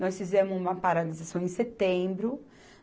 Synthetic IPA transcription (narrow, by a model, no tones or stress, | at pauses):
nɔsfizẽmʊzũmɐpaɾalizasɐ̃w̃ẽj̃set̪ẽbɾʊ